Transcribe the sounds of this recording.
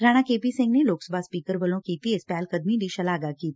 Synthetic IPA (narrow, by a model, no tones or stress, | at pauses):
ɾaːɽ̃akeːpisɪ̃ŋɡneloːksəbʱaspiːkəɾʋɐlõkit̪iespɛːlkɐd̪mid̪iʃɐlaːɡakiːt̪